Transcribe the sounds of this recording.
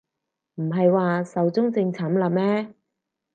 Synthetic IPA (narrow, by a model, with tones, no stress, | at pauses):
m̩˨˩ɦɐ˨jwaː˨sɐ˨wt͡sʊ˥ŋt͡sɪ˧ŋt͡sʰaː˨˥mlɐ˨˥mɛː˥